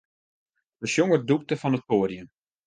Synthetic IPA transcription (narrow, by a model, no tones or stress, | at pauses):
dəʃjoŋərduk̚təfɑnət̚poːrjən